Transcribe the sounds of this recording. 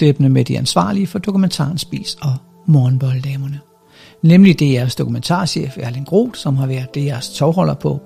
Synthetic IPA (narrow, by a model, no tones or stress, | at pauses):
eb̥nəmed̥iænsʋɑ̰̈ːliəfɒ̽d̥o̝kʰument͡sʰɑ̰̈ːnsb̥ḭːsɒ̽ | mɒːn̩b̥ɒ̽ld̥ɛːmɐnə | nemlid̥e̝æɐsd̥o̝kument͡sʰɑ̰̈ːɕḛːfæɐlenɡ̥ʁo̝̰ːd̥sɒ̽mɦɑ̈ʋæɐd̥ˠːe̝jæɐst͡sʰɒʊɦɒ̽l̰ɐpʰɒ̽